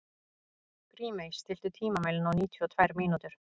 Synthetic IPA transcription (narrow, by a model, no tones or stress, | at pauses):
kɾiːmejsːt̪ɪl̥t̪ʏt̪ʰiːmamaːjlʏnɔwniːt̪ʰyɔt̪ʰvɛɾmiːnut̪ʏɾ̥